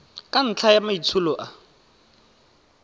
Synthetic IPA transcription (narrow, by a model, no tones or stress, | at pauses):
kʼan̩t͡ɬʰajamait͡sʰulɔʔa